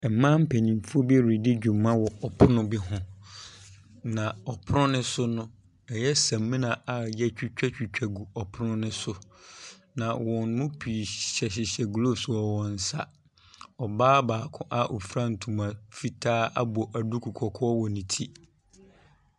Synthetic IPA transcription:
ɛ˨mã˦m̩˦pʰe˨nĩ˨m˨fu˦o˦bɛ˦˨ɾi˨dɪ˦d͡ʑᶣu˨mːã˦wɔ˨ɔ˨pʰʊ˦nʊ̃˦bɪ˦ɦʊ̃˦ | nã˨ɔ˨pʰʊ˦nʊ̃˦nʊ̃˦sʊ˦nʊ̃˦ | ɛ˨jɛ˦sã˨mːĩ˦nã˨a˨jɛ˦t͡ɕᶣu˦t͡ɕᶣɛ˦t͡ɕᶣi˨t͡ɕᶣɛ˨ɡu˨ɔ˨pʰʊ˦nʊ̃˦nʊ̃˦sʊ˦ | nã˨wɔ̃˨n˦mʊ̃˦pʰiː˨ɕɛ˨ɕ̬ɪ˨ɕɛ˨ɡlo˦sɔ˨wɔ̃˨n̩˨sa̰˦ | ɔ˨baː˦baː˨kʰʊ̃˦ʔa˦˨ʔɔ˨fɾã˦n̩˨tʰũ˨mã˨fi˦tʰaː˦a̰˦bɔ˨ʔa˨du˦kʰu˨kʰɔ˨kʰɔ˦wɔ˨nĩ˨tʰi˦

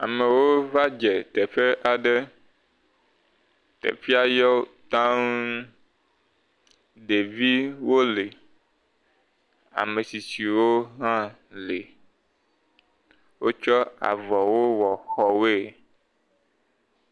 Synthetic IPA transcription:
a˨me˨wo˦va˦d͡ʒɛ˨t̪ɛ˨ɸe˦ʔa˨ɖe˦ | t̪ɛ̰˨fi˦a˦jɔ˦t̪ã˦n | ɖe˨vi˦wo˦le˨ | a̰˨me˨si˨si˨wo˦ɦã˦ | le˨ | wo˦t͡ʃɔ˦a̰˨vɔ˨wo˦wɔ˨xɔ˨we˦˨

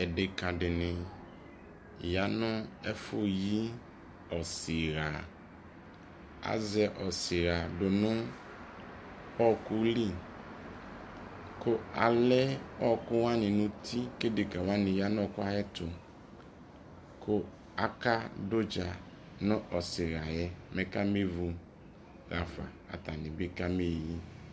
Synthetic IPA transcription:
ɛ˨dɪ˨kã˨ɖɪ˨nɪ̃˨ | ja˨nʊ̃˦ɛ˦fʊ˦ji˦ | ɔ˨sɪ˨ɾa˨ | a̰˨zɛ˨ʔɔ˨sɪ˨ɾa˨dʊ˨nʊ̃˦ | ɔ˦kʊ˦li˦ | kʊ˦a˨lɛ˦ɔ˦kʊ˦wa˦nɪ˨nu˦tʰi˦ke˦de˨ka˨wa˦nɪ˨ja˦n˦ɔ˦˨kʊ˦a˦jɛ˦tʊ˨ | kʰo˦ | a˦ka˦dʊ˦d͡ʒa˨ | nʊ̃˦ʔɔ˨sɪ˨ɾa˨jɛ˦mɛ˦ka˦me˦vu˨ | ɣa˨fa̰˨ | a̰˨ta˨ni˨be˦ka˦me˦˨ji˦

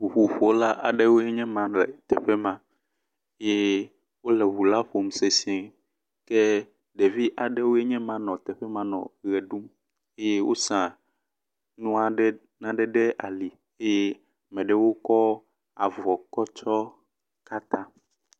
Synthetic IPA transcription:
u˨ɸu˨ɸo˦la˦ʔa˨ɖe˦wo˦e˦ɲɛ̃˦mã˨ɖlɛ˨t̪ɛ˨ɸɛ˦mã˦ | e˦je˦ | wo˦lɛ˨βu˨la˦ɸo˨m˨se˨si˦e˨ | kɛ˦ | ɖe˨vi˦ʔa˨ɖe˦wo˦e˦ɲɛ̃˦mã˦nɔ̃˨t̪ɛ˨ɸɛ˦mã˦nɔ̰̃˨ɣɛ˨ɖu˦m | e˦je˦wʔo̰˦sã˨ | nũ˦a˨ɖɛ˦ | nã˨ɖɛ˨ɖɛ˦ʔa̰˨li˨ | e˦je˦˨ | mɛ̃˨ɖɛ˦wo˦kɔ˦ | a˨vɔ˨kɔ˦t͡ʃɔ˦ | ka˦t̪ã˦

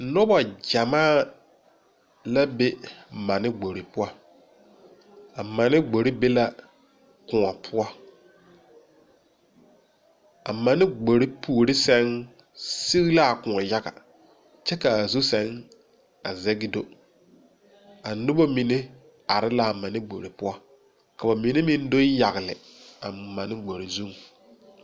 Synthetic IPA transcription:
nɔ˦ba˨d͡ʒa˨maː˦˨ | la˦be˦ma˨nɪ˦ɡ͡bo˨ɾi˨pʊ˦ɔ˦ | a˨ma˨nɪ˦ɡ͡bo˨ɾi˦be˦la˦ | kʊ̃˨ŋɔ˨pʰʊ˦ɔ˦ | a˨ma˨nɪ˦ɡ͡bo˨ɾi˦pʰu˨ɾɪ˦sɛ˦ŋ | si˦ɣla˦˨kʊ˨ɔ˨ja˦ɡa̰˨ | t͡ʃɛ˦kaː˨zu˦sɛ˨ŋ | a˨zɛ˦ɡɪ˦do˨ | a˨nʊ˦bo˦mi˨ne˦ | a˨ɾɪ˦la˨a˨ma˨nɪ˦ɡ͡bo̰˨ɾɪ˨pʊ˦ɔ˦ | ka˨ba˨mi˨ne˦mɪ˦n˦do˦ja˨ɣɪ˨lɪ̰˨ | a˨ma˨nɪ˦ɡ͡bo˨ɾi˨zu˦ŋ˨

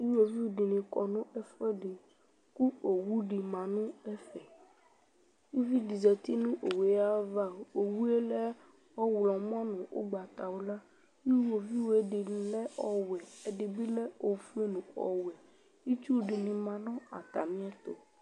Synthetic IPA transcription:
i˦wo˨vi˦˨ɖi˨nĩ˨kɔ˨nũ˦ɛ˦fɛ˦ɖi˨ | ku˦o˨wu˦ɖi˨mã˨nũ˦ɛ˦fɛ˨ | ji˦vi˦di˨zɛ˨t̪i˦nũ˦ʔo˨we˨ja˦va˦˨o˨wu˦e˦lɛ˦ | ɔ˦wlɔ̃˨m˦ɔ̃˦nũ˨ʔo̰˦ɡ͡ba˨t̪a˨wo˦la˦ | i˦wo˨vi˦wo˨e˦ɖi˨lɛ˦ɔ˦wɛ˨e˨ɖi˨bi˦lɛ˦o˨fu˦e˦nũ˨ɔ̰˨wɛ˨ | i˦t͡ʃu˦˨ɖi˨nĩ˨mã˨nɔ̃˦a̰˨t̪a˨mĩ˦ɛ˦t̪o̰˨

